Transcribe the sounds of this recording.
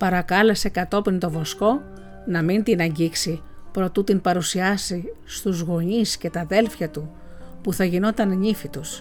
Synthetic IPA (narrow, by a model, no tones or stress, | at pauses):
pɐɾɐkɐle̞se̞kɐt̪o̞pint̪o̞vo̞sko̞ | nɐmint̪inɐɲɟiksi | pɾo̞t̪ut̪impɐɾusiɐsi | st̪uzɣo̞ɲisce̞t̪ɐðe̞lfçɐt̪u | puθɐʝino̞t̪ɐnɲifit̪us